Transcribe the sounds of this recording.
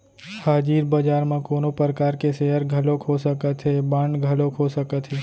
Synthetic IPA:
haːd͡ʒiːɾbəd͡ʒaːɾmãkoːnopɾəkaːɾkeseɦəɾɡʱəlokʰosəkət̪ɦebãːɳɖɡʱəlokʰosəkət̪ɦeː

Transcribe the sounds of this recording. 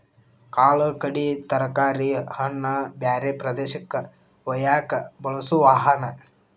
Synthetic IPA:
kaːɭɐkɐɽit̪ɐɾɐkaːɾihɐnːɐbjaːɾeːpɾɐd̪eːʃɐkːɐ | ʋɐjaːkɐbɐɭɐsuʋaːɦɐnɐ

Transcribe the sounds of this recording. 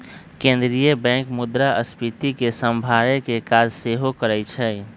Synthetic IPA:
kẽːnd̪ɾijəbɛ̃ːŋkmʊd̪ɾaəspɪt̪ikesəmbʱaːɾẽkekaːd͡ʒseːɦokəɾɛt͡ʃʰɛ

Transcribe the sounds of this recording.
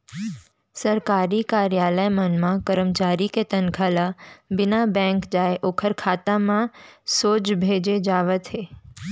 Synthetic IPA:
səɾkaɾikaɾjaləjmənmãkəɾəmt͡ʃaɾiket̪ənkʰalabɪnabɛ̃ŋkd͡ʒaeʔokʰəɾkʰat̪amãsod͡ʒbʱed͡ʒed͡ʒaʋət̪ʰɦe

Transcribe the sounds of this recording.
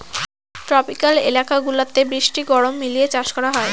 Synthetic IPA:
ʈɾɔpikalḛlakaɡulat̪ebɾiʃʈiɡɔɽomːiliet͡ɕaʃkɔɾaɦɔe

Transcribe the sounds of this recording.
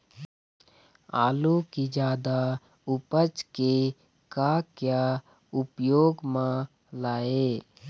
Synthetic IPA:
a̰ːlukid͡ʒaːd̪a | ʊpət͡ʃke | kakja | ʊpjoːɡmã | laːe

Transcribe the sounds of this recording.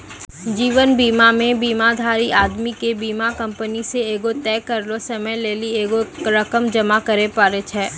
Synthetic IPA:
d͡ʒiːʋənbiːmamẽbiːmad̪ʱaːɾiʔaːd̪mikebiːmakɐ̃mpəniseeːɡot̪ɛːkɐɾlosɐməjleːlieːɡoɾɐkəmd͡ʒɐmakɐɾepaːɾet͡ʃʰɛː

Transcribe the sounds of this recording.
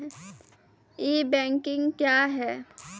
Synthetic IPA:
jeːbɛ̃ːŋkɪ̃ŋɡkjaːɦɛː

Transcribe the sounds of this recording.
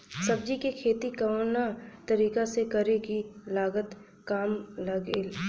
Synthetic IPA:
sɐb̚d͡ʒikekʰeːt̪ikɐnat̪ɐɾiːkasekɐɾekilaːɡət̪ | kaːmlɐɡeːl

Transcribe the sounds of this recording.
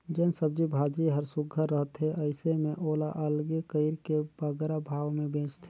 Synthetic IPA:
d͡ʒɛːnsəb̚d͡ʒibʱaːd͡ʒiɦəɾsʊɡʱəːəɦt̪ɦeʔəɪsemẽʔoːlaʔəlɡekəɪɾkebəɡɾabʱaːʋmẽbẽːt͡ʃt̪ʰe

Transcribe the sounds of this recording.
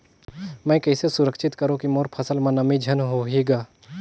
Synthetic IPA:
mɛ̃ːkɐːsesʊɾəkʃɪt̪kɐɾõkimoːɾpʰɐsəlmãnɐmid͡ʒʱɐnɦoɦeːɡaː

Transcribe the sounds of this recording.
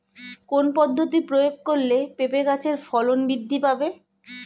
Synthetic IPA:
konpɔd̪ʱːot̪ipɾojoɡ̚koɾlepepekat͡ɕʰeɾfɔlonbid̪ʱːipabe

